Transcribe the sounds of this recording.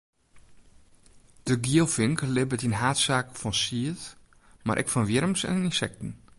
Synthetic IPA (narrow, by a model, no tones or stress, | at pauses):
d̥əɡiəlˠfɪŋklɪbətinɦaːtsaːkfɔnsiət | ma̰ɾʔɛ̰kfɔnʋjɪɾəmsɛ̰nininsɛk̚tn̩